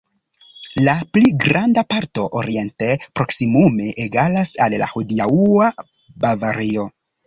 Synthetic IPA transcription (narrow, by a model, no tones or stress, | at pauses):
lapliɡɾandapaɾto̞ʔoɾie̞ntepɾo̞ksimume̞ʔːɡalasalla̰hudiaua | bavaɾio̞